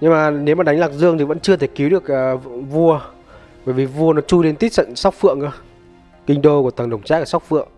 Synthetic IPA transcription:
ɲɨ˧ŋmaː˨˩ne˨˦wmaː˨ɗa˨˦ŋlaː˨˩k̚zɨ˧əŋt̪i˨˩və̰˧˥nt͡ɕɨ˧ət̪ʰe˧˩ki˨˦wɗɨ˨˩ək̚ʔːvu˧ə | vəː˧˩jvi˨˩vu˧ənɔ˨˦t͡ɕu˧le˧nt̪i˦˥k̚sə̰˧˨nsa˦˥wk͡p̚fɨ̰˧˨əŋə˧ | kï˧ŋ̟ɗo˧ku˧˩ət̪ʰə˨˩ŋɗə˨˧˩wŋ͡mt͡ɕaː˦˥k̚aː˨˩sa˦˥k͡p̚fɨ̰˧˨əŋ

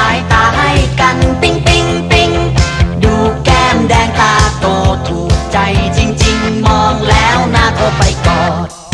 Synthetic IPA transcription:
jt̪aː˧˩ha˧˩jka˧˩npi˧˥ŋpi˧ŋpi˧ŋduː˨˧˩kɛː˧ndɛː˧ŋt̪aː˧˩t̪oː˧˩t̪ʰu˨˩t͡ɕa˧˩jt͡ɕi˧ŋt͡ɕi˧ŋmɔː˧˥ŋlɛː˨˧˥wnaː˧˥t̪o˧˩pa˨˧˩jkɔː˧˩t̚

